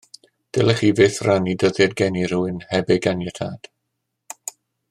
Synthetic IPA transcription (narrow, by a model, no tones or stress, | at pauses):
d̥ɛlˠɛχiːvɪθranidəðjɛdɡɛniruɪnhɛbɪɡanjətʰaːd̥